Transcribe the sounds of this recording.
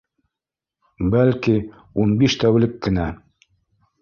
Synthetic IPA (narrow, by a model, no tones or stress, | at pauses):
bælki | unbiʃt̪æwlɘkːɘ̆næ